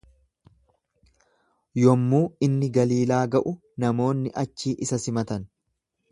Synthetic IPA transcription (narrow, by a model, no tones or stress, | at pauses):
jɔmːuːɪnːɪɡɐliːlaːɡɐʔʊ | nɐmo̞ːnːɪʔɐt͡ʃːiːʔɪsɐsɪmɐt̪ɐn